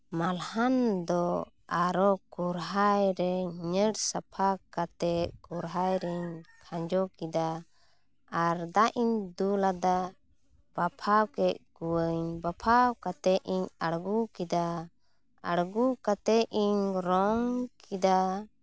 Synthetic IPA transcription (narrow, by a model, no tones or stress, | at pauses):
malhand̪ɔ | aɾɔkɔɾɦajɾɛɲɲəɽsapʰakat̪ɛʔkɔɾɦajɾɛɲkʰãɲd͡ʒɔkid̪aː | ɾd̪aʔiɲd̪ulad̪a | b̥apʰawkɛʔ̪̚kuwəɲbapʰawkat̪ɛʔiɲaɽɡukid̪a | a̰ɽɡukat̪ɛiɲɾɔŋkid̪a